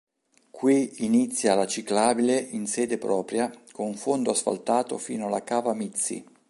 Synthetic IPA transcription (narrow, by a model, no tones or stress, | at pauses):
kwiinit̪sːjalat͡ʃiklaːbileʔinsɛːd̪epɾɔːpɾjakonuɱfond̪oasfa̰lt̪aːt̪o̰fḭːnoalakaːvamit̪sːḭ